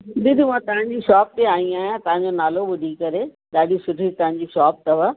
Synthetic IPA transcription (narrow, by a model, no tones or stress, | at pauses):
d̪ɪd̪ɪmãt̪ɐʋãɲ̆d͡ʑiʃɔːp̚t̪eaːɽ̃ĩaːɦijãt̪ɐʋãɲ̆d͡ʑonaːlobʊd̪ʱikɐɾe | ɗaːɗisʊʈʰit̪ɐ̃ʋə̃ɲ̆d͡ʑiːʃɔːp̚t̪ɐʋa